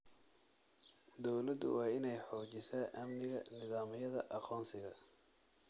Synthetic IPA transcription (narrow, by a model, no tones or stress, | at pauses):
d̪ɔwlɐd̪ʊ̰wɑːɪnɛjħɔːt͡ʃɪsaːʔɐmnɪɣɐnɪðaːmɪjɐðɐʔɑqʰɔːnsɪɣɐ̰